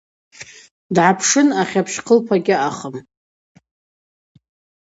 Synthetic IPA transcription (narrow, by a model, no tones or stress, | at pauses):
dʕapʰʂɨnaχʲapʰʃqʰəlpʰaɡʲɪaχəm